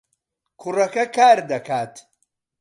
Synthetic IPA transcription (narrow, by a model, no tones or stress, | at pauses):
kʰurɐkɐkʰaːɾd̪ɐkʰaːt̪ʰ